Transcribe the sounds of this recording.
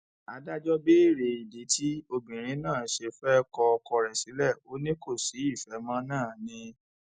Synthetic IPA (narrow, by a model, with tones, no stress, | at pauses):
a˧da˦d͡ʒɔ˦be˦i˦˨ɾe˨i˨de˨˦tʰi˦o˧bĩ˨ɾ̃ĩ˨˦nãː˦˨˦ʃe˧fɛ˦kɔ˧kɔ˧ɾɛ˨si˨˦lɛ˦˨o˦nĩ˦ko˦˨si˨˦i˦˨fɛ˨˦mã˦nãː˦˨nĩ˧